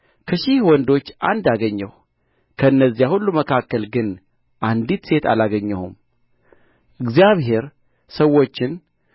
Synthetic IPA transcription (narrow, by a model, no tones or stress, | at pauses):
kʰəʃɪhwɔnd̪o̞t͡ʃːʔa̰nd̪aɡəɲːəw | kʰəɨnːəzːijahulːuməkʰakːəlɡɨn | ʔand̪it̪se̞t̪a̰laɡəɲːəhṵm | ʔɨɡzijaβhe̞ɾ | səwo̞t͡ʃːɪn